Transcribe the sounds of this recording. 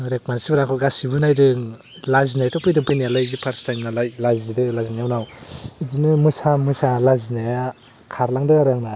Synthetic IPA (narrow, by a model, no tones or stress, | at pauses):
ɾek̚mansibɯɾaŋkʰɯɡasibɯnajdɯŋ | lazinajtɔpʰɯjdɯŋpʰɯjnialajɡipʰaɾstajmnalajlazidɯlazinajawnawidinɯmɯsamɯsalazinaja | kʰaɾlaŋdɯɡaɾaŋna